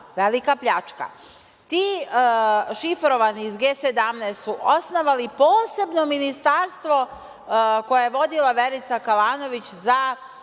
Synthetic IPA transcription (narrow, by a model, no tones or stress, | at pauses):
ʋelikapʎat͡ʃka̰ | t̪iː | ʃifɾo̞ʋaniːzɡeːsed̪amneːst̪suʔosnoʋalipo̞ːse̞bno̞minist̪aɾst̪ʋo̞ | kojejeʋo̞d̪ilaʋe̞ɾit̪sakalaːno̞ʋit͡ɕza